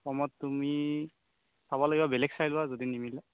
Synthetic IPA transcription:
pɔmɔtːumi | saβɔloɡibabɛlɛk̚sajlʊazodinimilɛ

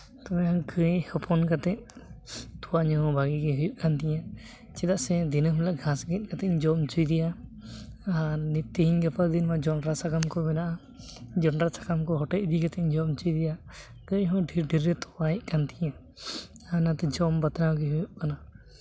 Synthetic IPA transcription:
t̪ɔɛɔ̃kʰəjhɔpʰɔnkat̪ɛʔ̚ | t̪uwaɲɔɔbaɡiɡɛɦujuʔkant̪iɲã | t͡ʃɛd̪aʔsɛd̪inəɦmlaʔɡʱãsɡɛt̪̚kat̪ɛʔd͡ʒɔmt͡ʃujd̪ija | anit̪ːiɦiɲɡəpəɾd̪inmad͡ʒɔɳɾasakamkɔmɛnaʔa | d͡ʒɔɳɖɾasḁkamkɔɦɔʈɛʔ̚d̪ikat̪ʰɛʔd͡ʒɔmt͡ʃujd̪ɛja | k̪ɔɲɦɔ̃ɖʱiɾɖiɾːɛt̪ɔwaɛʔ̚kant̪ija | anat̪ɛd͡ʒɔmbat̪nawɡɛɦujuʔ̚kana

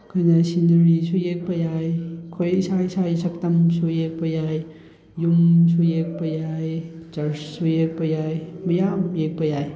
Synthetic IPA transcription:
kʰajnasinɾisujek̚pɐjajkʰojsajsajsɐk̚tɐmsujek̚pɐjaj | jumsujek̚pɐjajt͡ʃɐɾssujek̚pɐjajmɐjamjek̚pɐjaj

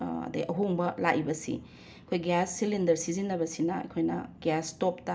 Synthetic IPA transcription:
ɐ̰dɐiʔɐɦuŋbɐlaʔibɐsḭ | ɐkʰojɡjasːilindɐɾsizinːɐbɐsinɐɐ̰jkʰojnɐ̰ɡ̥astop̚ta

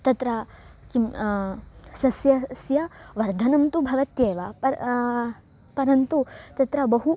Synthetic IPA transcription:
t̪ɐt̪ɾɐ | kim | sɐsjɐsjɐʋɐɾd̪ʱɐnɐmt̪ubʱɐʋɐt̪jeːʋɐɐ | pɐɾɐnt̪ut̪ɐt̪ɾɐbɐɦu

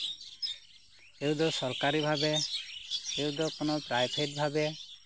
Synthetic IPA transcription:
ewd̪ɔsɔɾkaɾibʱabe | eud̪ɔkonɔpɾajbʰʱeʈ̚bʱabe

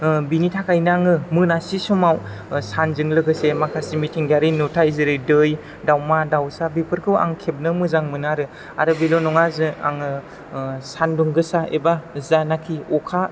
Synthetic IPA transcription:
binitʰakʰajnaŋɯmɯnasisumawsanzɯŋlɯɡɯsemakʰasimitʰiŋɡaɾinutʰaizɯɾɯdɯj | dawmadawsabipʰɯɾkʰɯwa̰ŋkʰep̚nɯmɯzaŋmɯnaɾɯ | aɾɯbilonɔŋazɯa̰ŋɯ | sanduŋɡɯsaebazanakʰiɔkʰa

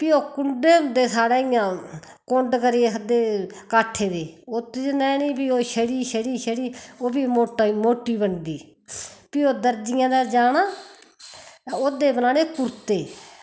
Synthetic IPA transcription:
piːoːkʊɳɖeːd̪eːsaːɽeːɪjãː | koɳɖkəɾiːed̪eːkaːʈʰːeːd̪eːoːt̪ed͡ʒnɛ̃ːniːpiːoːʃəɽiːʃəɽiːʃəɽiːoːbiːoːmoːʈːiːbəɳd̪iː | piːoːd̪əɾd͡ʒɪjãːd̪ɛːd͡ʒaːnaː | t̪ãoːd̪eːbənaːneːkʊɾt̪eː

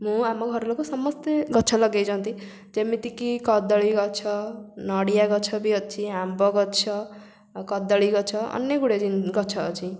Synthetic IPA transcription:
mũamaɡʱʌɾlakosʌmʌst̪eɡʌtːt͡sʰʌlʌɡejd͡zʌnt̪ʰi | d͡zemit̪ikikʌd̪ʌɭiɡʌt͡sʰʌnʌɽijaɡʌt͡sʰʌbiʌt̪̚t͡sʰiambʌɡʌt̪t͡sʰʌ | kʌd̪ʌɭiɡʌt͡sʰʌʌ̰njeɡuɽed͡zinɡʌt͡sʰʌt͡sĩ

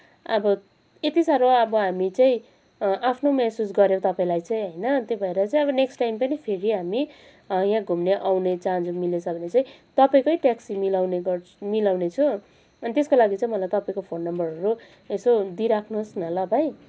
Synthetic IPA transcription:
ʌbʌ | et̪isaɾoʌbʌɦamit͡saĩ | apʰnomesusɡʌɾjow̃t̪ʌpaĩlajt͡saĩɦʌjnʌt̪jobʱʌeɾʌt͡saĩʌbʌneksʈajmpʌnipʰeɾiɦami | jãɡʱumneʔawnet͡sãnd͡zomilet͡sʰʌbʱʌnet͡saĩ | t̪ʌpaĩkojʈaksimilawneɡʌmilawnet͡sʰʌ̃ | ʌnit̪eskolaɡit͡saĩmʌlajt̪ʌpaĩkopʰonːʌmbʌrʌɾu | esod̪iɾakʰnuɦsnʌlʌbaj

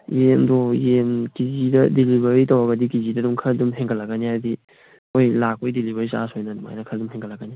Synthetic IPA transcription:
jemdojemkizidɐdelibɐɾitɐwɐɡɐdikizidɐdumkʰɐɾdumɦeŋɡʰɐlɐɡɐnihajdi | ojlak̚ojdelibʱɐɾisa̰sojnɐnuma̰jnɐkʰɐɾdumɦeŋkʰɐlːɐɡɐni

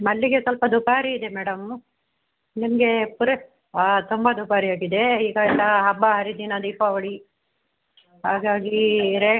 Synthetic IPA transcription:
mɐɭːiɡe̞sɐlpɐd̪ubaːɾiːd̪emɛːɽɐm | nimɐɡe̞puɾe | t̪umbɐd̪ubaːɾiaːɡid̪eiːɡɐlːɐɦɐbːɐɦɐɾid̪inɐd̪iːpːɐʋɐɽi | ɦaːɡaːɡiɾe

